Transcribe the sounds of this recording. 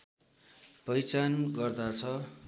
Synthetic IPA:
pʌjt͡sanɡʌrd̪at͡sʰʌ

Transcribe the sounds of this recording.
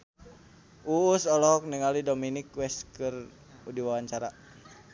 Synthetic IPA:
ʔuːsɔlɔɦɔk̚niŋalidominikwɛskɨr | udiwawaɲt͡ʃaɾa

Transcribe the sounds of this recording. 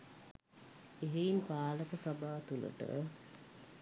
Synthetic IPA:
eɦeimpaːləkəsabaːt̪ulə̰ʈə̰

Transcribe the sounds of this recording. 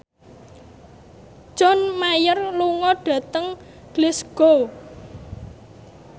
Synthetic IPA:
d͡ʒɔ̤nmajərluŋɔɖ̥ä̤t̪əŋ | ɡ̥lɪsɡ̥o

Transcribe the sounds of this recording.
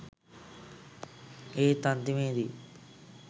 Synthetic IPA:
eːt̪ɐnt̪imeːd̪i

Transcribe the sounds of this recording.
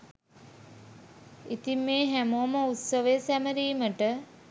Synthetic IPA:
it̪imːeːɦæmoəməut̪səʋejsæməɾiːməʈə

